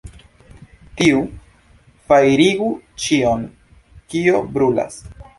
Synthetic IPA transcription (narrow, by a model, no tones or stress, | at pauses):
tiu | fajɾiɡut͡ʃio̞n | kio̞bɾula̰s